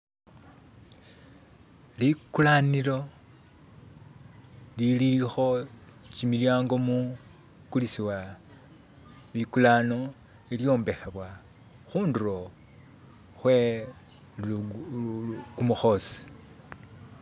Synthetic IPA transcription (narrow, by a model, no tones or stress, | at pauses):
likulaniɾo̞ | lililixo̞t͡ʃimiljaːŋɡo̞mu | kulisiwa | βikulano̞ | eljo̞ːmbe̞xeβwa | xuːnduɾo̞ | xwe | kumuxo̞si̥